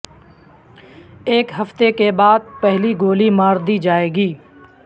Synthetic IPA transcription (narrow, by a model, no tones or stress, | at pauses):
eːkɦɐft̪ekebaːd̪̚pɛɦliɡoːlimaːɾd̪iːd͡ʒaːeːɡiː